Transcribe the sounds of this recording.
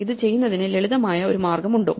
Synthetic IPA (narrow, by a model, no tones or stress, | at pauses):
iðɨt͡ɕe̞jːunːɐðinɨleɭiðɐmaːjɐo̞ɾumaːrɡɐmuɳɖo̞̰ː